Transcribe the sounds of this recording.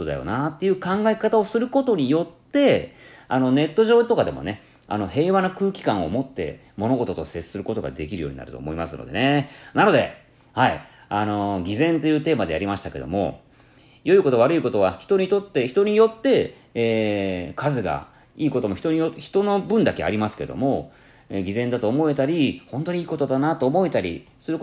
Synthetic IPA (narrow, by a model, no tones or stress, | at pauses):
od̪ajo̞̰nat̪ːe̞jɯ̟ːkãŋɡaekat̪ao̞sɨɾɯ̟ko̞t̪o̞ɲ̟ijo̞t̪ːe̞ano̞ne̞t̪ːo̞ʑoːt̪o̞kad̪e̞mo̞̰ne̞ | a̰no̞he̞ːβanokɯ̟ːkʲi̥kãɰ̃o̞̰mo̞t̪ːe̞̰ | mo̞no̞ɡo̞t̪o̞t̪o̞se̞ɨ̥sɨɾɯ̟ko̞t̪o̞ɡa̰d̪e̞kʲiɾɯjoːɲ̟ina̰ɾɯ̟t̪o̞̰ːmo̞imasɨno̞̰d̪e̞̰ne̞nano̞d̪e̞̰ | hai | ano̞ɡʲizẽ̞nt̪o̞jɯ̟ːt̪e̞ːmad̪e̞jaɾʲimaɕi̥t̪ḁke̞d̪o̰mo̞̰ | jo̞iko̞t̪o̞β̞aɾɯ̟iko̞t̪o̞βaçi̥t̪o̞ɲ̟it̪o̞t̪ːe̞çi̥t̪o̞ɲ̟ijo̞t̪ːe̞ː | kazɨɡa̰ | iːko̞t̪omo̞çi̥t̪o̞ɲ̟ioçi̥t̪o̞no̞bɯ̟̃nd̪akea̰ɾʲimasɨ̥ke̞̰d̪o̞̰mo̞ | eɡʲizẽ̞nd̪at̪oːmo̞e̞t̪aɾʲihõ̞nt̪o̞ɲ̟iiːko̞t̪o̞d̪anat̪o̞ːmo̞it̪aɾʲḭ | sɨɾɯ̟